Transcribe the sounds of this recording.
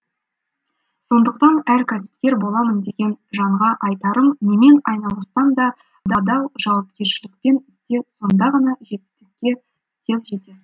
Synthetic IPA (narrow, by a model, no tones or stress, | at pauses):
so̞nd̪əq̚t̪ɑnæɾkʲʰæsɪ̥p̚kʲe̞ɾbo̞lˠɑmənd̪e̞ɡʲe̞nʒɑɴʁɑʔɑjt̪ɑɾəmne̞me̞nɑjnɑlˠəsɑnd̪ɑ | d̪ɑd̪ɑwʒɑwɑpkʲe̞ɾʃɪlɪk̚pe̞nɪst̪e̞so̞nd̪ɑʁɑnɑʒe̞t̪ɪ̥st̪ɪk̚ʲːe̞ | t̪ʲʰezʒe̞t̪esɪ